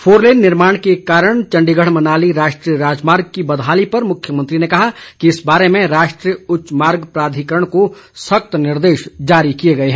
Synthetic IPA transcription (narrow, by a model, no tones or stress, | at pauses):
fʰoːɾleːnːɪɾmaːɽ̃kekaːɾəɳ̃t͡ʃɐ̃ɳɖiɡəɽ̤mɐnaːliɾaːʃʈɾijəɾaːd͡ʒmaːɾɡ̚kibɐd̪ʱɦaːlipɐɾmʊkʰːjəmɐ̃nt̪ɾinekɐɦakiɪsbaːɾemẽɾaːʃʈɾijʊtːʃmaːɾɡpɾaːd̪ʱikəɾəɳ̃kosɐk̚t̪nɪɾd̪eːʃd͡ʒaːɾikijeɡɐeɦɛ̃ː